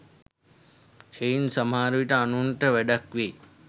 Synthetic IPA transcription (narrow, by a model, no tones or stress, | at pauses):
einsɐmaːɾuʋiʈəanuɳʈəʋɛɖakʋe